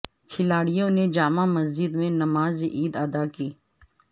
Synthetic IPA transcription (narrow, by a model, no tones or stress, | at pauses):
kʰɪlaːɽijõned͡ʒaːmãmɐzd͡ʒɪd̪mẽnɐmaːzʔiːd̪aːd̪akiː